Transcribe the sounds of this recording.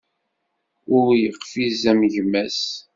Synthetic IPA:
ʊɾjəqːfizæmʝmæs

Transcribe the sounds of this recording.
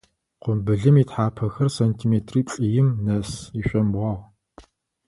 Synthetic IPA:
qʷʊmbɨɮɨmiːtħaːpʰɐxɐrsɐntʰimeːtʰriːt͡sʼijɪmnɐsiɕʷʼɐmbʁɑʁ

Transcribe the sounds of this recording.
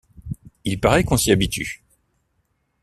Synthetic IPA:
ilpaʁɛkɔ̃siabit̪y̰

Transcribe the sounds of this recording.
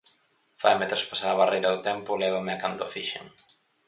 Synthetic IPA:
fa̰jmet̪ɾaspasaɾaβarejɾɐðʊt̪ɛmpʊlɛβamɪakand̪oafiʃḛŋ

